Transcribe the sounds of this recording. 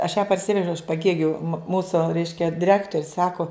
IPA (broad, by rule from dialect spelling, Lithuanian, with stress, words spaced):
ɐʃ jæː pɐrʲˈsʲɪʋʲɛʒʲɛʊ ɪʃ pɐˈɡʲeːɡʲʊ ˈmuːsʊ ˈrʲɛɪʃʲkʲɛ dʲɪˈrʲæːktoːrʲʊs ˈsɑːkʊ